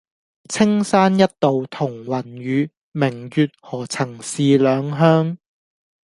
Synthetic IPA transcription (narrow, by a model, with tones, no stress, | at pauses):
t͡sʰɪ˥ŋsaː˥njɐ˥t̚t̪o˨wt̪ʰʊ˨˩ŋwɐ˨˩nɥyː˨˧ | mɪ˨˩ŋjyː˨˧t̚hɔː˨˩t͡sʰɐ˨˩ŋsiː˨˧lœː˨˧ŋɦœː˥ŋ